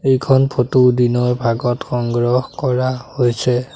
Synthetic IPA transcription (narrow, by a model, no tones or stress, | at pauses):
ejkʰɔnpʰotudinɔjbʱaɡɔtxɔŋɡɹɔhkɔɹahojsɛ